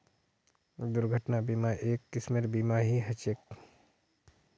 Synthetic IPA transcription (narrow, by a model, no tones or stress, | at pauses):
d̪ʊɾɡʱəʈnabiːmaʔeːkːɪsmeɾbiːmaɦiɦɐt͡ʃeːk̚